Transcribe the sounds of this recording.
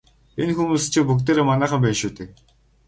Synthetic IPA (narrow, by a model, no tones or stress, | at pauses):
enxumuːst͡ɕʰĭpuk̚t̪eːɾeːmanæːχə̆mpænʃuːt̪ɘ̆k̚